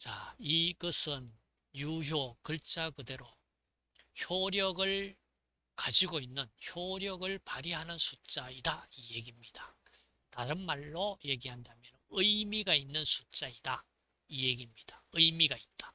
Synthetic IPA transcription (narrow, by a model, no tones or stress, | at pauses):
t͡ɕaiɡʌsʰɯn | juɦjokɯɭt͡ɕ͈akɯde̞ɾo | çjoɾjʌɡɯɭ | kad͡ʑiɡoinːɯnçjoɾjʌɡɯɭpaɾiɦanɯnsʰut͡ɕ͈aidaijeɡimɲid̥a | taɾɯnmaɭːoje̞ɡiɦandamjʌnɯjmiɡainːɯnsʰu̥t͡ɕ͈aida | ijeɡimɲid̥ḁɯjmiɡait̚t͈ḁ